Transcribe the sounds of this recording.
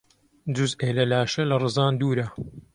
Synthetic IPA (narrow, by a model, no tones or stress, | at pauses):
d͡ʒuzeːlɐlaːʃɐlɐrɨzɑːnd̪uːɾɐ